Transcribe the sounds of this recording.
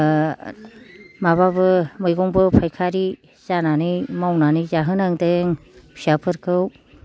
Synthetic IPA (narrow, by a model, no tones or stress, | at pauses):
maβabɯmɯjɡɔŋbɯpʰajkʰaɾi | zananɯjmawnanɯjzaɦɯnaŋdeŋsiapʰɯɾkʰɯw